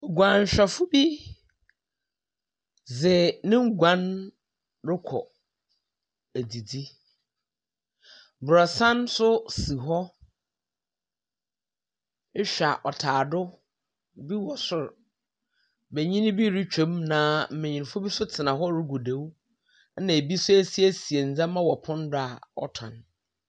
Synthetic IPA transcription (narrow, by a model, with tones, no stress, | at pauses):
o˨ɡã˨ɲ̩˨ɕᶣɛ˨fʊ˦bi˦ | zɪ˨nɪ̃˦ŋ̩˦ɡʷã˦n | ɾʊ˦kʰɔ̰˨ | æ˨di˨di˦ | bɾɔ˨sã˦n˦sʊ˦si˨ɦɔ˦ | ɕᶣa˨ʔɔ˨tʰaː˨dʊ˦ | bi˦wɔ˨sʊ˦ɾ | bɛ˨ɲĩ˦ñ˦bi˦ɾi˦t͡ɕᶣõ˦mnã˨˦m̩˨mẽ˨ɲĩ˨n˨fʊ˦bi˦sʊ˦tʰɪ˨nã˨ɦɔ˦ɾɪ˦ɡu˨de˦w | nã˨e˨bi˦sʊ˦æ˦˨si˦æ˦si˨e˨n̩˨d͡zã˦mã˦wɔ˨pʰʊ̃˦n˦dʊ˦a˨ɔ̰˦tʰã̰˨n